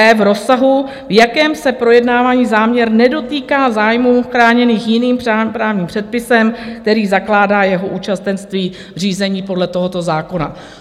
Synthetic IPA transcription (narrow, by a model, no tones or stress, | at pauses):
ɛvɾo̞saɦu | vjakɛːmsɛpɾo̞jɛdnaːvaːɲiːzaːmɲɛɾnɛdo̞t̪iːkaːzaːjmuːxɾaːɲɛniːxjɪniːmapɾaːvɲiːmpr̝̥ɛt̪̚pɪsɛmkt̪ɛɾiːzaklaːdaːjɛɦo̞ʔuːt͡ʃast̪ɛnst̪viː | r̝iːzɛɲiːpo̞dlɛt̪o̞ɦot̪o̞zaːko̞na